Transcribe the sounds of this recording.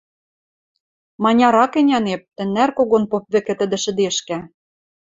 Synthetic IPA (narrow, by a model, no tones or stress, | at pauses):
mɑnʲɑɾɑkɘ̆nʲɑnep̚t̪ɘ̆nːærkoɣonpop̚βɘ̆kɘ̆t̪ɘ̆d̪ɘ̆ʃɘ̆d̪eʃkæ